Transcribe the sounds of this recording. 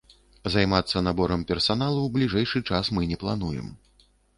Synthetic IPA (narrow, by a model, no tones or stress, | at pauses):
zajmat̪sːɐnabɔɾɐmpʲɛrsan̪alˠuwblʲiʐɛjʂɨt͡ʂasmɨnʲɛplˠanujɛ̰m